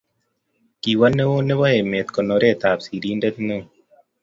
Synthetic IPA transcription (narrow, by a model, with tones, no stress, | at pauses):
ki˨wa˦ne˦wo˦ne˦wa˦e˨me˨t̪kɔ˨nɔ˨ɾɛ˦t̪a˨psi˨ɾi˦ndɛ˦t̪no˦˨